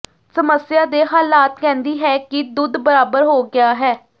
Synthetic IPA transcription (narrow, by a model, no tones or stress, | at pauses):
səməsjaːd̪eːɦaːlaːt̪kɛ̃ːnd̪iːɦɛːkid̪ʊd̪bəɾaːbəɾɦoːɡɪjaːɦɛː